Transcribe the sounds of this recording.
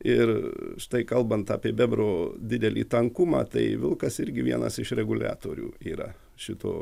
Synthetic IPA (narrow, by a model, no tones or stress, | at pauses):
ɪrʃt̪ɐɪkɐlˠbɐnt̪ɑ̰ːpʲiɛbʲɛbɾoːd̪ʲɪd̪ʲɛlʲiːt̪ɐŋkʊmɑ̰ːt̪ɐɪʋʲɪlˠkɐsɪɾʲɡʲɪʋʲiɛnɐ̰sɪʃɾʲɛɡʊlʲæ̰ːt̪oːɾʲṵːiːɾɐ̰ | ʃʲɪt̪o̰ː